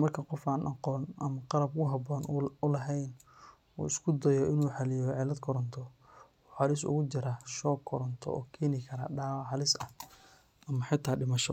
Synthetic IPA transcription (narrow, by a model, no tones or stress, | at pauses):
mɐrkʰɐqɔfaːnʔɑqɔːnɐmɐqɑlɐb̚kʰʊɦɑbɔːnʊlɐɦɛjn | ṵːɪskʰʊd̪ɐjɔɪnuːħɑlɪjɔʕɪlɐd̪kʰɔɾɔnt̪ʰɔ | ɔːħɑlɪsʊ̰ɣʊt͡ʃɪɾaʃɔːkʰːɔɾɔnt̪ʰɔ̰ɔ̰ːkʰɛːnɪkʰɐɾa̰ːɖaːwɑħɑlɪsɐ | ɐmɐħɪt̪ʰːaːɖɪmɐʃɔ